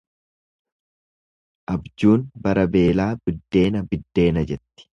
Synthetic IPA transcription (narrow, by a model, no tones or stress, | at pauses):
ʔɐbd͡ʒuːnbɐɾɐbe̞ːlaːbɪd̪ːe̞ːnɐbɪd̪ːe̞ːnɐd͡ʒɛt̪ːɪ̥